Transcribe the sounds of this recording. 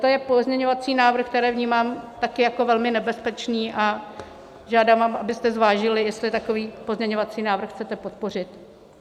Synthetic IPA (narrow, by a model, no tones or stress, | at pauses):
t̪ojɛpozmɲɛɲo̞vat͡siːnaːvr̩xkt̪ɛɾɛːvɲiːmaːmt̪akɪjako̞vɛlmɪnɛbɛspɛt͡ʃniːʔa | ʒaːdamvaːmʔabɪst̪ɛzvaːʒɪlɪjɛst̪lɪt̪ako̞viːpozmɲɛɲo̞vat͡siːnaːvr̩xt͡sɛt̪ɛpot̪̚po̞r̝ɪt̪